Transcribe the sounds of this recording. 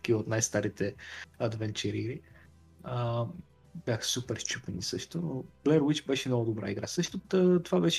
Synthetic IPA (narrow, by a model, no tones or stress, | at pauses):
kiot̪najst̪aɾit̪ɛɐd̪vɛnt͡ʃɛɾiɾi | ə | b̥jaxə̥supɛɾst͡ʃupɛnisɤʃt̪onob̥lɛɾwit͡ʃbɛʃɛnɔɡʊd̪obɾa̰iɡɾa̰sɤʃt̪oət̪ovabɛʃ